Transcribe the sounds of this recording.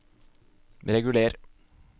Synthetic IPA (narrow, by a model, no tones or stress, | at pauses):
ɾɛɡʉleːɾ